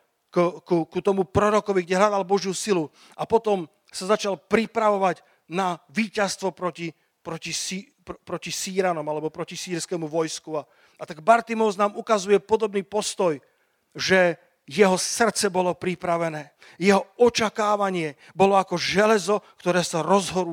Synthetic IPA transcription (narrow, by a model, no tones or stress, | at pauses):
kkukut̪ɔmupɾɔɾɔkɔʋiɡɟɛɦlad̪albɔʒjusilu | apɔt̪ɔm | sazat͡ʃalpɾipɾaʋɔʋaɟ | naʋiːcast̪ʋɔpɾɔci | pɾɔcisi | pɾɔcisiːɾanɔmalɛbɔpɾɔcisiːɾskɛmuʋɔjskua | at̪aɡbaɾt̪imɔznaːmukazujɛpɔd̪ɔbniːpɔst̪ɔj | ʒɛ | jɛɦɔsr̩t͡sɛbɔlɔpɾipɾaʋɛnɛː | jɛɦɔɔt͡ʃakaːʋaɲɪɛ | bɔlɔakɔʒɛlɛzɔkt̪ɔɾɛːsaɾɔzɦɔɾu